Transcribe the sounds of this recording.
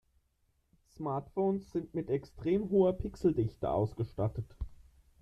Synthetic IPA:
smaɐtfoːnsz̥ɪntmɪtɛkstʁ̥eːmɦoːɐpʰɪksl̩dɪçtə̰ʔa̰ʊsɡ̥əʃtatət

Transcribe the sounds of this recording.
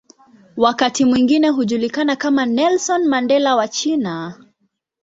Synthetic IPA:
wakatimwiŋɡinɛɦuʄulikanakamanɛlsɔnmandɛlawat͡ʃina

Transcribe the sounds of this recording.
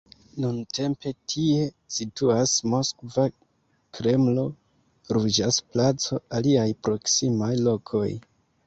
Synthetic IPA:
nunte̞mpe̞tʰie̞ | situasmo̞skva | kɾe̞mlo̞ | ɾud͡ʒasplat͡so̞aliajpɾo̞ksimajlo̞kʰo̞̰j

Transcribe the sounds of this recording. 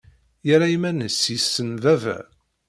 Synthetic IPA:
jəɾaimænəsisːənðævæ̰

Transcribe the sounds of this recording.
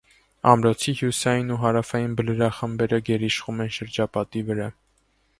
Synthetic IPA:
ɑmɾɔt͡sʰihjusɑjinuɦɑɾɑfɑjinbələɾɑχəmbɛɾəɡɛɾiʃχumɛnʃəɾd͡ʒɑpɑt̪ivəɾɑ

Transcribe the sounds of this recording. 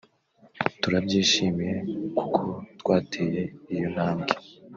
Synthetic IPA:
tuɾabɟiːʃiːmije̞ku̥kʰotɡwaːtʰeːje̞ijon̥haːmɡe

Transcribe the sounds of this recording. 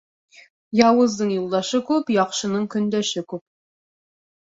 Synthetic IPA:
jɑwɤ̆zd̪ɤɴjulˠd̪ɑʃɤkʉpjɒqʃɤ̆nɤɴkɵ̆nd̪æʃɘkʉp̚

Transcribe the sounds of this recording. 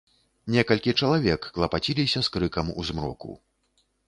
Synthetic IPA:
nʲɛkɐlʲkʲit͡ʂɐlˠavʲɛkːlˠɐpat͡sʲilʲisʲɐskɾɨkɐmṵzmɾɔ̰kṵ

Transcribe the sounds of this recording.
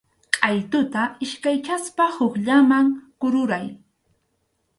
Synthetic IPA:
qʼɑjt̪ʊt̪aɪʃkajkaspahʊkʎamaŋkʊɾʊɾaj

